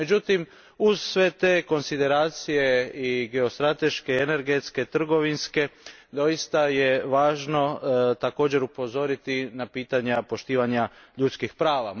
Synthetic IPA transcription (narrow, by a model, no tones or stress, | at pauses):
med͡ʑut̪im | uz̥sʋe̞t̪e̞ːko̞nsid̪e̞ɾaːt̪sije̞iɡe̞o̞st̪ɾat̪e̞ʃke̞ene̞ɾɡe̞t̪ske̞t̪r̩ɡo̞ʋinske̞d̪o̞ist̪aje̞ʋaːʒno̞t̪ako̞ːd͡ʑe̞ɾupo̞zo̞ɾit̪inapiːt̪aɲapo̞ʃt̪iːʋaɲaʎut̪skixpɾaːʋa